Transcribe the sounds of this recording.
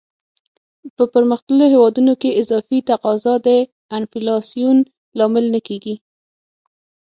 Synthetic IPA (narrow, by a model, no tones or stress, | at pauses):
pəpəɾməxt̪əloɦewɑd̪unokeɪzɑfit̪aqɑzɑd̪ə | anfilɑsijun | lɑmɪlnakeɡi